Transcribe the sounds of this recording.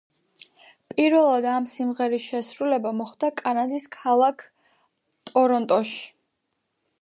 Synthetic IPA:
pʼiɾvɛlˠad̪amsimʁɛɾisʃɛsɾulɛbamɔχd̪akʼanad̪iskʰalˠakʰ | t̪ʼɔɾɔnt̪ʼɔʃi̥

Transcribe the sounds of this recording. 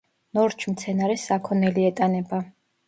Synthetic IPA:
nɔɾt͡ʃʰmt̪sʰɛnaɾɛsakʰɔnɛliɛt̪ʼanɛba

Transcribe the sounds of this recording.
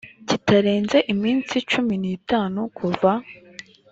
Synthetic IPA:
citaɾeːnzeʔimiːnt͡sit͡ʃuminiːtaːnukʰuva

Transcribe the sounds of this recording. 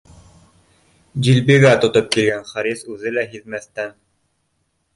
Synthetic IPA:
d͡ʑilbiɡæt̪ŏt̪op̚kilɡænχɑɾisʉðɘlæɦiðmæθt̪æn

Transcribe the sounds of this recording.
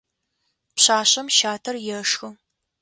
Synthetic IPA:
pɕaːɕɐmʃaːtʰɐrjɛʂxɨ

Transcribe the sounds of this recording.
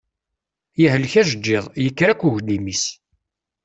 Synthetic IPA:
jəɦəlçæʒəd͡ʒːɪðˤjəkːɾækʷːuʝd̪imis

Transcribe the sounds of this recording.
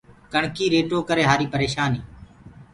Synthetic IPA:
kəɳkiːɾeːʈoːkəɾeːɦaːɾiːpəɾeːʃaːniː

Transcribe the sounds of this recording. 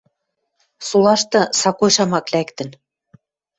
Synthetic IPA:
sulɑʃt̪ɤ̆sɑkojʃɑmɑklækt̪ə̆n

